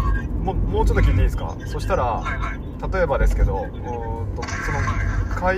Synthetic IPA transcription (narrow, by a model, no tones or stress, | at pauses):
momo̞ːt͡ɕo̞t̪ːokʲĩɲd̪ʲːĩesɨ̥ka̰so̞ɕi̥t̪aɾa | t̪at̪o̞e̞bad̪e̞sɨ̥ke̞d̪o̞ | ɯ̃t̪osonokʰa